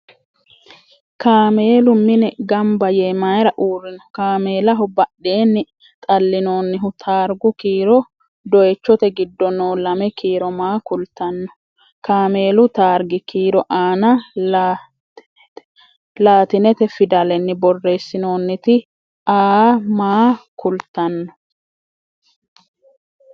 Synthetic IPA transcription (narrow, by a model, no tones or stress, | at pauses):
kaːme̞ːlʊmɪnɛɡɐmbɐjeːmajɾɐʔuːrːɪnɔkaːme̞ːlɐɦɔbɐɗːeːnːɪ | t̪ʼɐlːɪno̞ːnːɪɦʊt̪ʰaːɾɡʊkiːɾɔ | d̪ɔjɛt͡ʃːɔt̪ɛɡɪd̪ːɔnoːlɐmɛkiːɾɔmaːkʊlt̪ːɐnːɔ | kaːme̞ːlʊt̪aːɾɡɪkʰiːɾɔʔaːnɐ | laːt̪ɪnɛt̪ɛfɪd̪ɐlɛnːɪbɔrːe̞ːsːɪno̞ːnːɪt̪ɪ | aːmaːkʊlt̪ːɐnːɔ̥